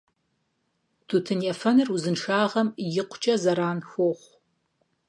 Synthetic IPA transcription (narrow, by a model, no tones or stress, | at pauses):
tʰutʰɨnjafɐnɨruzɨnʂaːʁɐmjɪqʷʰʊt͡ʃʼɐzɐɾaːnxʷoχʷ